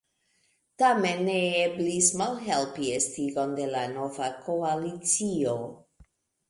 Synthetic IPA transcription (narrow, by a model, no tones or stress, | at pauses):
tame̞nːeeblismalɦe̞lpiestiɡo̞nde̞lano̞vakoalit͡sio